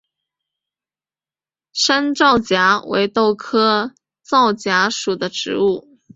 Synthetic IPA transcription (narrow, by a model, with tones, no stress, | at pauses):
ʂa˥nʈ͡ʂɑ˥˩ʊt͡ɕja˧˥wʔḛ˧˥ɪt̪o˥˩ʊkʰɤ˥ | t͡sɑ˥˩ʊt͡ɕja˧˥ʂu˨˩d̪ə˦ʈ͡ʂɻ̩˧˥u˥˩